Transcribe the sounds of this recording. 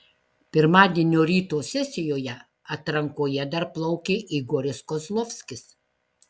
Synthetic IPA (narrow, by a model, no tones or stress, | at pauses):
pʲɪɾmɑːd̪ʲieːnʲoːɾʲiːt̪oːsʲɛsʲɪjoːjɛ | ɐt̪ɾɐŋkoːjɛd̪ɐɾplˠɐʊkʲeːʔiɡoːɾʲɪskoslˠɔfʲsʲkʲɪs